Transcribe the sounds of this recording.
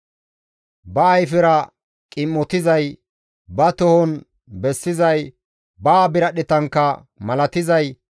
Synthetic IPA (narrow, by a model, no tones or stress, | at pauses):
bɐːjfɪɾɐ | kʼɪmːɔt̪ɪzɐj | bɐt̪ɔhɔn | bɛsːɪzɐj | baːbɪɾɐɗɪt̪ɐŋkːɐ | mɐlɐt̪ɪzɐj